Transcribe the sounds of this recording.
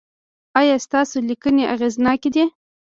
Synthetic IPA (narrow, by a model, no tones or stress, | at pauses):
ɑjɑst̪ɑsolikəneʔa̰ɣeznɑked̪e